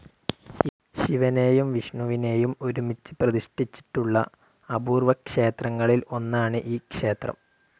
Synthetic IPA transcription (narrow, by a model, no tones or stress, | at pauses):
ɕiʋɐne̞ːjumʋiʂɳuʋine̞ːjumo̞ɾumit͡ɕːɨ̥prɐd̪iʂʈit͡ɕːi̥ʈːuɭːɐ̰ | ɐbuːrʋɐkʂe̞ːt̪rɐŋːɐɭilo̞nːaːɳɨʔiːkʂe̞ːt̪rɐ̰m